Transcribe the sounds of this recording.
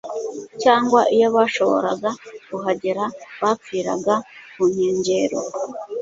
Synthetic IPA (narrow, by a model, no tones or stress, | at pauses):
caːŋɡwaʔijo̞βaːʃo̞βo̞̰ɾa̰ɡakuɦaɟeɾaβap͡fiːɾa̰ɡamuɲ̥eːɲɟe̞ːɾo̰